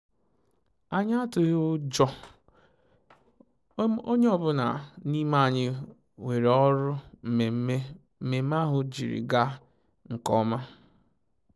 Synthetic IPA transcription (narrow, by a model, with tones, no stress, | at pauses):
a˨ɲ˦a˦tʊ˨ɣʊ˦d͡ʒɔ˦ | o˦ɲe˦ɔ˨bʊ˦na̰˨ni˦ma˦˨ɲɪ˦ | we˨ɾɔ˦ɾʊ˦m̩˨e˨˦e˦ | m̩˦me˨˦m˦a˦ɦʊ˨d͡ʒḭ˨ɾḭ˨ɡa˦ | ŋ̩˨kɔ˦ma˦